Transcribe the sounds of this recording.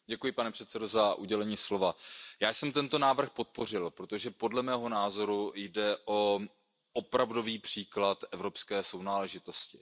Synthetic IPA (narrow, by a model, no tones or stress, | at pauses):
ɟɛkujɪpanɛpr̝̥ɛt̪sɛdo̞zaʔuɟɛlɛɲiːslo̞vajaːjsɛmt̪ɛnt̪o̞naːvr̩xpo̞t̪̚po̞r̝ɪlpɾo̞t̪o̞ʒɛpo̞dlɛmɛːɦo̞naːzo̞ɾujdɛʔo̞ | ʔopɾavdo̞viːpr̝̥iːklat̪ɛvɾo̞pskɛːso̞wnaːlɛʒɪt̪o̞scɪ